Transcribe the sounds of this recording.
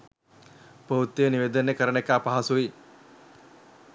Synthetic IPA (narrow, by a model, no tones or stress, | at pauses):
pout̪ːijəniʋed̪ənekəɾənekəːpaɦasuʋi